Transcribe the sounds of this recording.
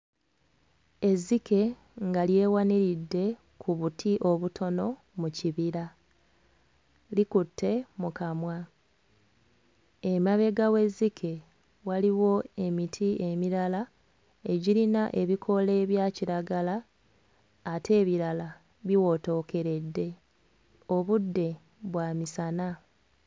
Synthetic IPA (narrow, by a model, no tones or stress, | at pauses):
e̞zːike̞ | ŋɡalje̞ːwaniɾidːe̞ | kʰuβutʰiʔo̞βutʰo̞no̞ | muciβiɾa | likutːe̞mukamwa | emaβe̞ɡawe̞zːikʰe̞ | waliwo̞e̞mitʰie̞miɾala | e̞ɟiɾinaʔe̞βikʰo̞le̞ːβjaːciɾaɡalaː | tʰe̞ːβiɾala | βiwo̞to̞ke̞ɾe̞dːe̞ | o̞βudːe̞ | βwaːmisana